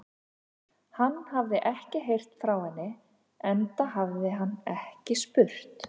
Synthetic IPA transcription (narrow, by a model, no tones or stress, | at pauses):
hanːhavðɪʔɛhcɪɦejr̥t̪fɾawhanːɪ | ɛnt̪aɦavðɪɦanːɛhcɪspʏr̥t̪